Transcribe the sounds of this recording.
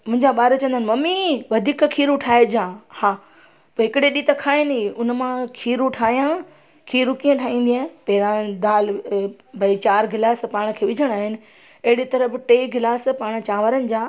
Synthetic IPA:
mʊ̃ɦɪ̃ɲd͡ʑaɓaːɾt͡ɕɐ̃ənd̪ənɪmɐmiʋɐd̪ʱiːkkʰiːɾuʈʰaːed͡ʑãhãː | poːɦɪkɪɽeɗiːt̪ɐkʰaːiniʊnmãkʰiːɾuʈʰaːɦijã | kʰiːɾukiːãʈʰaːĩːnd̪iãːpɐɦɪɾãd̪aːl | bʱɐit͡ɕaːɾɡɪlaːspaːɽ̃̆kʰeːʋɪd͡ʑʱəɽ̃aːɦɪnɪ̆ | ɐɦɪɽit̪ɐɾəbɪʈeːɡɪlaːspaːɽ̃̆t͡ɕaːʋəɾənɪ̆d͡ʑaː

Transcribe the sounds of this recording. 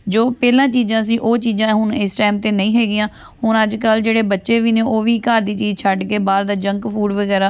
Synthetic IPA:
d͡ʒoːpɛːlãːt͡ʃiːd͡ʒãːsĩːʔoːt͡ʃiːd͡ʒãːɦʊɳɪsʈɛːmt̪eːnəĩːɦɛːɡɪjãː | hʊnəd͡ʒkəld͡ʒeːɽeːbətːʃeːʋiːnẽːʔoːʋiːkaːɾd̪iːt͡ʃiːd͡ʒt͡ʃʰaɖkeːbaːɾd̪aːd͡ʒəŋkpʰuːɖʋəɡɛːɾaː

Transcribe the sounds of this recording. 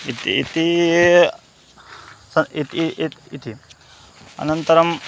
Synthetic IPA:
it̪iːt̪i | sɐit̪it̪ʰi | ɐ̰nɐnt̪ɐɾɐm

